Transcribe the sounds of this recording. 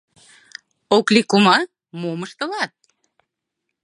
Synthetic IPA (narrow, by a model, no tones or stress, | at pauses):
oklikumɑ | moməʃt̪ə̆lɑt̪̚